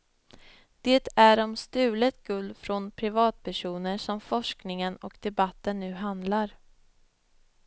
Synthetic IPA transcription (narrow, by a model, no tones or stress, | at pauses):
d̪̥eːt̪æɾɔmst̪ʉ̟ːlət̪ɡɵld̪fɾɔnpʰɾɪvɑːt̪̚pʰæʂuːnəʂɔmfɔʂknɪŋənɔkd̪̥ɛbat̪ːənːʉ̟ːɦand̪laɾ